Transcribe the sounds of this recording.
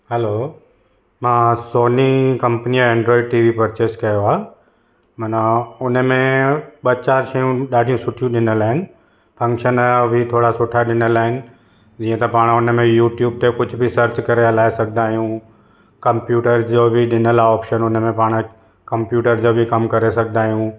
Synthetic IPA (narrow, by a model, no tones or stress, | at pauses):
ɦɛloː | mãːsoːnikɐ̃mpniaɛ̃ːɳɖɾɔːɪɖ̚ʈiːʋipɐɾt͡ɕeskɐjoaː | mɐnaʊnmẽɓɐt͡ɕaːɾʃɐjũɗaːɖʱijũsʊʈʰijũɗɪnəlaːɦɪnɪ̆ | pʰɐ̃ŋkʃənbʱit̪ʰoːɽasʊʈʰaɗɪnəlaːɦɪnɪ̆ | d͡ʑiːə̃t̪ɐpaːɽ̃ʊnmẽjuːʈjuːb̚t̪ekʊd͡ʑʱbʱisɐɾt͡ɕkɐɾeɐlaːesɐɡ̚ʰʱd̪aːɦijũ | kɐ̃mpjuːʈəɾd͡ʑobʱiɗɪnəlaɔːpʃənʊnmẽpaːɽ̃ | kɐ̃mpjuːʈəɾd͡ʑobʱikɐmkɐɾesɐɡ̚ʰʱd̪aːɦijũ